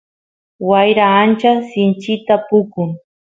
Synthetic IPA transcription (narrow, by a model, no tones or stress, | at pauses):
wajɾaːnt͡ʃasɪnt͡ʃɪt̪apʊkʊŋ